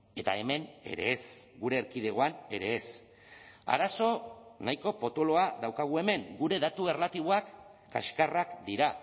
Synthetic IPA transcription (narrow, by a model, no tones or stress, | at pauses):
e̞t̪ae̞me̞ne̞̰ɾe̞̰ːsɡuɾe̞ːɾkið̞e̞ɣ̞o̞ane̞ɾe̞ːs | a̰ɾaso̞najko̞po̞t̪o̞lo̞aðawkaɣ̞ue̞me̞ŋɡuɾe̞ðat̪ue̞rlat̪iβ̞oakː | a̰ʃkarakd̪iɾa